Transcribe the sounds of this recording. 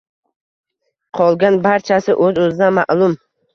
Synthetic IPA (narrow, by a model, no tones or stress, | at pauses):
qʰɒlˠɡʲanbaɾt͡ʃʰasɪʔɵzɵzɪd̪amaʔlʊm